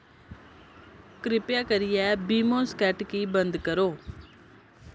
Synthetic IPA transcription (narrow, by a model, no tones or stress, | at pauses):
kɾɪpjaːkəɾɪjɛːbiːmõːskɛːʈkiːbənd̪kəɾoː